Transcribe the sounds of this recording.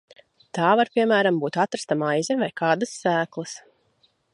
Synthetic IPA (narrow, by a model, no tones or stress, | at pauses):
t̪aːvaɾpʲiɛmæːɾambuːt̪at̪ɾast̪amajzʲɛvajkaːd̪asːæːklˠas